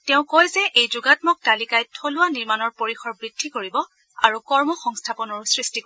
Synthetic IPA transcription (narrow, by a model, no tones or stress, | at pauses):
tɛʊ̃kojzɛʔejzuɡatmɔk̚talikajtʰolʊwaniɹmanɔɹpoɹixɔɹbɹid̥ʱːikoɹibɔ | aɹukɔɹmɔxɔŋstʰapɔnɔɹsɹistik